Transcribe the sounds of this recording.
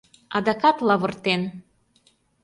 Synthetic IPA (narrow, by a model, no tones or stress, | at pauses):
ɑd̪ɑkɑt̪lɑβɤ̆rt̪en